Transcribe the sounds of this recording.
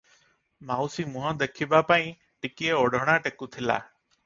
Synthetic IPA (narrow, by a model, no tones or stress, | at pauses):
maːusiːmʊ̃ɦə̃d̪ekʰiːbaːpaːĩː | ʈɪkieoɖʱəɽ̃aːʈekuːt̪ʰɪla̰ː